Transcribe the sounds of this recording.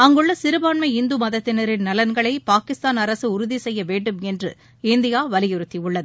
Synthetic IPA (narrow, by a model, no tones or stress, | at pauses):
ɐŋɡɯɭːɐsɪɾɯbaːɳmɐɪɪnd̪umɐðɐt̪ːɪnɐɾɪnnɐlɐnɡɐɭɐɪpaːkɪst̪aːnɐɾɐsɯʊɾʊðisɛjːɐʋeːɳɖɯmɛndrɯ̰ | ɪnd̪ɪjaːʋɐlɪjɪɾɯt̪ːiʊɭːɐðɯ